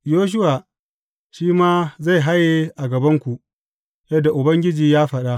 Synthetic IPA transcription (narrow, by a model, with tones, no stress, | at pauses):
joː˦ʃ̬ʊ˦waː˨ | ʃiː˦maː˦za˦˨jɦa˦jːeː˦ʔa˨ɡɐ˨bɐ˦ŋkʷu˨ | jɛ˦dːa˨ʔʊ˨bɐ˦ŋɡʲɪ˦d͡ʒiː˨jaː˦ɸɐ˨ɗa˦